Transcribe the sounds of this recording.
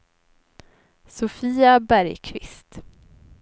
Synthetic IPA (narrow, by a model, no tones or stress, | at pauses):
sʊfiːabæɾjkʰvɪ̰st̪